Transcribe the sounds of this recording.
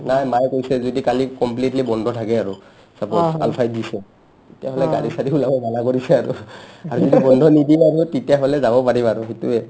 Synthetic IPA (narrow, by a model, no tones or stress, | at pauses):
najmajkojsɛzodikalikɔmplitlibɔndʱɔtʰakɛaɹu | sapɔa̰lpʰajdisɛ | etiaɦɔlɛɡaɹisatiulabɔbalakoɹisɛaɹṵaɹuzodibɔndʱɔnidiaɹutetijaɦolɛzabɔpaɹimaɹʊɦituɛ